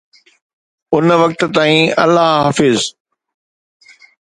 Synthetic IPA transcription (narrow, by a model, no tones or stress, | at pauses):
ʊnʋɐk̚t̪̆t̪aːĩɐ̰lːaɦɦaːfɪz